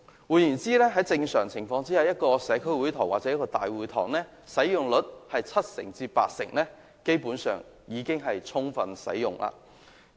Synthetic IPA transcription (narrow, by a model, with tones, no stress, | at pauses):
wuː˨˩jyː˨˩nt͡siː˥lɛː˥ɦɐ˨˥jt͡sɪ˧ŋsœː˨˩ŋt͡sʰɪ˨˩ŋfɔː˧ŋt͡siː˥hɐ˨˧wjɐ˥t̚kɔː˧sɛː˨˧kʰɵ˥ɥwuː˨˥jt̪ʰɔ˨˩waː˨t̚t͡sɛː˨˦jɐ˥kɔː˧t̪aː˨jwuː˨˩jt̪ʰɔ̰ː˨˩ŋnɛː˥ | sɐ˨˥jjʊ˨ŋlɵ˨˥t̚hɐ˨jt͡sʰɐ˥t̚sɪ̰˨˩ŋt͡siː˧pa̰ː˧t̚sɪ̰˨˩ŋlɛː˥ | ke˥jpuː˨˥nsœ̰ː˨ŋ | jiː˨˧kɪ˥ŋɦɐ˨jt͡sʰʊ˥ŋfɐ˧nsɐ̰˨˥jjʊ˨˩ŋlʔa̰ː˧˨